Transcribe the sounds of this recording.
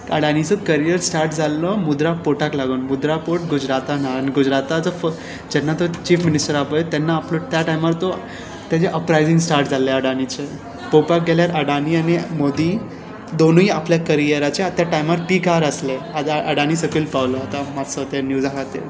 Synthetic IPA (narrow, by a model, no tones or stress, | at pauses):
əɽanit͡sɔkəɾijəɾsʈaɾʈd͡zalːɔmud̪ɾapoʈaklaɡuːnmud̪ɾapoʈ̚ɡud͡ʑɾat̪anaaniɡud͡ʑɾat̪at͡səf | d͡ʑɛnːat̪ot͡ɕiːfminisʈəɾapət̪ɛnːaːplot̪jaʈajmaɾt̪o | t̪jat͡ɕeʔəpɾajzĩŋɡsʈaɾʈd͡zaleəɽanit͡ɕe | popak̚ɡɛljaɾʔəɽanianimod̪i | d̪onõiapljakəɾijəɾat͡ɕeat̪jaʈajmaɾʈikaɾəslead̪əɽanisəkiːlpaʋlɔat̪amat̪sət̪enjuzakat̪ḛ